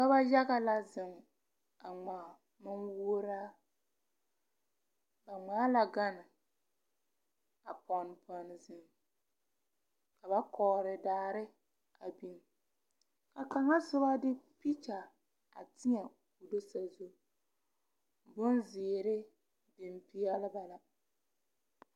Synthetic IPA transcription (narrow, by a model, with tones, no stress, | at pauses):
ka˦ba˦ja˦ɣa˨la˦zɪ˨ŋ | a˨ŋ͡ma˨ | mɪ˦nwuː˦ɾa˦ | ba˨ŋ͡maː˨˦la˨ɡa˦nɪ˨ | a˨pɔ˨n˨pɔ˨n˨zɪ˨ŋ | ka˨ba˦kʰɔː˨ɾɪ˨daː˨˦ɾɪ˦ | a˨bi˦n˨ | ka˨ka˨ŋa˦sɪ˦ba˦dɪ˦pi˦ta˨ | a̰˨tɪ˦ɲɛ˨ | kʊ˨do˦sa˨zo˦˨ | bʊ˦nzɪː˨ɾɪ˦ | de˨mpi˦a˦lɪ˦ba˨la˨